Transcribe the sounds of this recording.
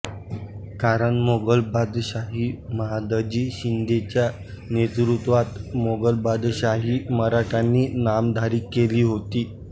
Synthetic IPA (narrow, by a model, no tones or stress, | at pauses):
kaɾəɳmoɡəlbad̪ɕaɦiːməɦad̪əd͡ʑiːɕind̪et͡ɕja | net̪ɾut̪ʋat̪moɡəlbad̪ɕaɦiːməɾaʈʰanːiːnamd̪ʱaɾiːkːeliːɦot̪iː